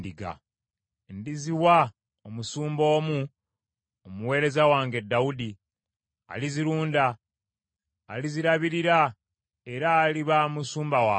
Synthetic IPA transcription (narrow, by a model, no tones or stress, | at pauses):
diɡa̰ | ndiziwa | omusuːmbo̞ːmu | omuwe̞ːɾe̞zawaːŋɡe̞dːawudi | a̰liziɾuːnda | liziɾaβiɾiɾa | e̞ɾaːliβamusuːmbawa